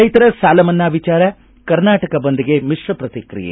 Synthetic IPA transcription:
ɐjt̪ɐɾɐsaːlɐmɐnːaːʋit͡ʃaːɾɐ | kɐɾnaːʈɐkɐbond̪iɡemiʂʋɐpɾɐt̪ikɾḭjḛ

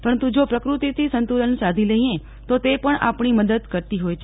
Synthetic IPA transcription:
pəɾənt̪ud͡ʒopɾəkɾut̪it̪ʰisənt̪ulənsad̪ʱiləɦĩẽ | t̪ot̪epəɳa̰pɳiməd̪əd̪kəɾt̪iɦojt͡ʃʰe

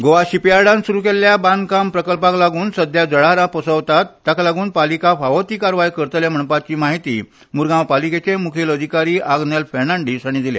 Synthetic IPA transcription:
ɡoʋaɕipaɽansuɾukelːjaband̪kampɾəkəlpaklaɡuːnsəd̪ʱjad͡zəɭaɾãpəsəʋt̪at̪ːaklaɡuːnpalikafaʋət̪iːkaɾʋajkəɾt̪əlem̤əɳpat͡ɕiːmaɦit̪ḭː | muɾɡãwpaliket͡ɕemukʰeləd̪ʱikaɾiːʔaɡnelfɛɾnaɳɖisañid̪ilḛ

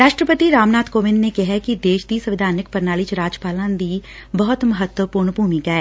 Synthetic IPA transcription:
ɾaːʃʈɾəpət̪iɾaːmnaːt̪koːʋɪnnekɪɦɛkid̪eːʃd̪iːsə̃ʋɪd̪ʱaːnɪk̚pəɾnaːlit͡ʃɾaːd͡ʒpaːlãːd̪iː | bɔɦʊt̪məɦət̪wəpuːɾɳbʱuːmikaɛ

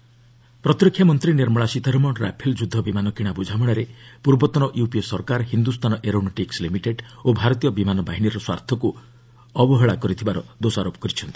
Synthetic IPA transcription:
pɾɔt̪ɾikʰːjamɔnt̪ɾiniɾmɔɭasit̪ɔɾɔmɔnɾa̰pʰeld͡ʒud̪ʱːɔbimanɔkiɽ̃abud͡ʒʱamɔɽ̃ɔɾepuɾbɔt̪ɔnɔʔjupisɔɾkaɾɦind̪ust̪ʰanɔʔeɾɔɳ̃nɔʈikslimiʈeɖobʱaɾɔt̪ijɔbimanɔbaɦiniɾɔswa̰ɾt̪ʰɔku | ɔbɔɦɔɭakɔɾit̪ʰibaɾɔd̪osaɾopɔ̥kɔɾit͡ʃʰɔnt̪i̥

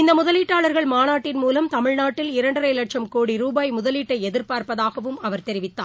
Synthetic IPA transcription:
ɪnd̪ɐmʊðɐliːʈːaːɭɐɾɣɐɭmaːnaːʈːɪnmuːlɐmt̪ɐmɪɻnaːʈːɪlɪɾɐɳɖɐɾɐɪlɐʈ̚t͡ʃɐmkoːɽiɾuːbaːjmʊðɐliːʈːɐɪɛðɪɾpaːɾpɐðaːɣɐʋɯmɐʋɐɾt̪ɛɾɪʋɪt̪ːa̰ː

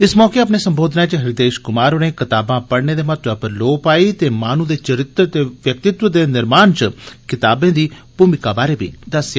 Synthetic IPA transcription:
ɪsmɔːkeːəp̬neːsəmboːd̪naːet͡ʃəɦɪɾɪd̪eːʃkʊmaːɾɦʊnẽːkɪt̪aːbãːpəɽneːd̪eːmɐt̪ɐpəɾloːpaːiːt̪eːmaːnũːd̪eːt͡ʃəɾɪt̪ɾt̪eːʋjək̚t̪ɪt̪wəd̪eːnɪɾmaːnt͡ʃəkɪt̪aːbẽːd̪iːpumɪkabaːɾeːbʱḭːd̪əsjaː

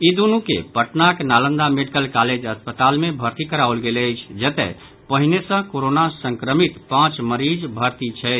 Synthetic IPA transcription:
id̪unukḛpəʈnaknalə̃nd̪ameɖikəlkaled͡ʒəspət̪almebʱəɾt̪ikəɾaolɡeləjt͡ʃʰd͡ʒət̪ɛ̰ | pəɦinesə̃koɾonasə̃ŋkɾəmit̪pãt͡ʃməɾid͡ʒbʱəɾt̪it͡ʃʰɛt͡ʃ

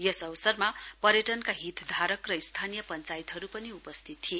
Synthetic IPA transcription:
jesʌwsʌrmapʌɾjeʈʌnkaɦit̪d̪ʱaɾʌkrʌist̪ʰanijʌpʌnt͡sajit̪ɦʌɾupʌniupʌst̪ʰit̪ːʰie

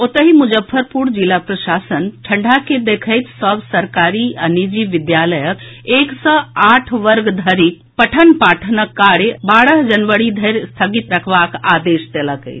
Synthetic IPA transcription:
ot̪əɦimud͡ʒəbʰːəɾpuɾd͡ʒilapɾəsasənʈʰəɳɖʱaked̪ekʰəjt̪səbsəɾkaɾiənid͡ʒiʋid̪jaləjəkeksə̃aʈʰʋəɾɡd̪ʱəɾik | pəʈʰənpaʈʰənəkːaɽbaɽəɦd͡ʒənʋəɽid̪ʱəɾst̪ʰəɡit̪ɾəkʰbakad̪esd̪eləkə̰ɪt͡ʃʰ

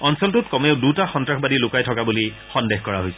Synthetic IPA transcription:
ɔnsɔltʊtkɔmeʊdutaxɔntɹaxbadilʊkajtʰɔkabuli | xɔndexkɔɹaɦojsɛ̥

